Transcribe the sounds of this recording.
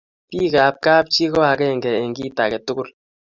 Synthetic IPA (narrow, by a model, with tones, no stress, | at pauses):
pi˦˨ka˨p̚ka˦p̚t͡ʃi˦kɔ˦a˨kɛ˦˨ŋ̩˨ɡɛ˨e˨ŋ̩˨ɡi˦˨ta˨kɛ˨tu˦ɡu˦l